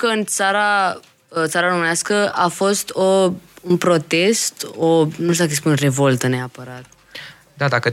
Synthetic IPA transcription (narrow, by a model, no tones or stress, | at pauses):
kəɨnt̪saɾa | ət̪saɾaɾomɨnaskəʔafo̞st̪ounpɾo̞t̪e̞st̪onuʃt̪d̪akespunre̞vo̞lt̪əne̞apəɾat̪ | d̪ad̪akə